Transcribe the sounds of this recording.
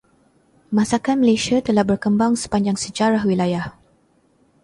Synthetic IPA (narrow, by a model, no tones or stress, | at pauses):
mãsakanməlesiat̪əlahbərkəmbaŋsə̥paɲd͡ʒaŋsəd͡ʒaɾahwilajah